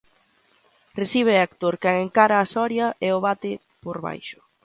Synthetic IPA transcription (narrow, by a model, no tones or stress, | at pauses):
resiβ̞eakt̪oɾkɛŋeŋkaɾɐːsɔɾjɐʔɛoβ̞at̪ɪ | poɾβa̰jʃʊ̥